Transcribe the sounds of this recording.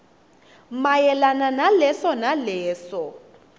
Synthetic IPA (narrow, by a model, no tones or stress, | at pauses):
majɛlananalɛsɔnalɛːsɔ